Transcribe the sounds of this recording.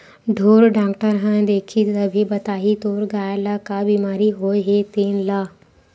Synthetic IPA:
ɖʱoːɾɖaːkʈəɾɦɛ̃d̪eːkʰit̪ɐbʱibɐt̪aːɦit̪oːɾɡaːjlakabiːmaːɾiɦoːeɦet̪eːnlaː

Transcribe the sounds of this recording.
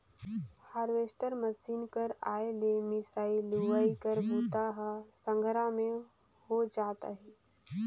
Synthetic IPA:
haːɾʋeːsʈəɾməsiːnkəɾaːelemɪsaːiluʋaikəɾbʱuːt̪aɦasə̃ŋɡʱɾãmẽ | hod͡ʒaːt̪a̰ɦɛ

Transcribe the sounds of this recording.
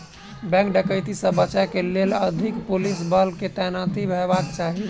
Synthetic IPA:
bɛ̃ŋkɖəkəɪt̪isə̃bət͡ʃakeleləd̪ʱikpulisbəlket̪ɛnat̪ibʱɛbakt͡ʃaɦi

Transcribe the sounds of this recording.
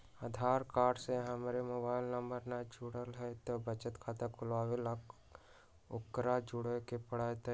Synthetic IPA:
aːd̪ʱaːɾkaːɾɖseɦəmɾemoːbaːɪlnəmbəɾnad͡ʒʊɽəlɦɛt̪obət͡ʃət̪kʰaːt̪ekʊlʋaːwelak | ʊkːɾad͡ʒʊɽekepəɽ̤aːt̪

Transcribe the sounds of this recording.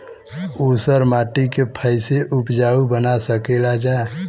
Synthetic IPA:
uːsəɾmaːʈikepʰəɪseʔʊpd͡ʒaːubənasəkelad͡ʒae

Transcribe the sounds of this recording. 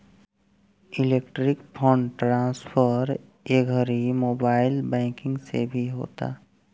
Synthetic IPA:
ɪleːkʈɾɪkpʰõːɳɖʈɾãːspʰəɾ | eːɡʱəɾimoːbaːɪlbɛ̃ːkɪ̃ŋɡsḛbʱiɦo̰ːt̪a̰ː

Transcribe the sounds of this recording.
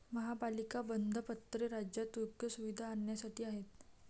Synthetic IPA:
məɦapalikabənd̪ʱəpət̪ːɾeɾad͡ʑjat̪uɾɡjəsuʋid̪ʱaːɳjasaʈʰiːaɦet̪

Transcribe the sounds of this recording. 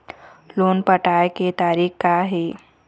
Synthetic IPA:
loːnpəʈaːjket̪aːɾiːkkaɦeː

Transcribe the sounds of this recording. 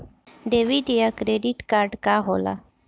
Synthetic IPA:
ɖeʋiɖijakɾeɖiʈkaːɾɖkaɦola̰

